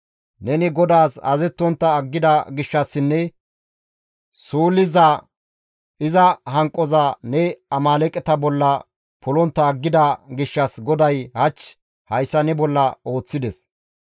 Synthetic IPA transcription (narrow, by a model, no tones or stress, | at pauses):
nɛnɪɡɔd̪aːsɐ̰zɛt̪ːɔnt̪ːɐːɡːɪd̪ɐɡɪʃːɐsːɪnːɛ | suːlɪzɐ | ɪzɐɦɐŋkʼːɔzɐnɛɐmaːlɛkʼɛt̪ɐbɔlːɐ | pʰɔlɔnt̪ːɐːɡːɪd̪ɐɡɪʃːɐsɡɔd̪ɐjhɐt͡ʃː | hɐjsːɐnɛbɔlːɐo̞ːt͡sːɪd̪ɛs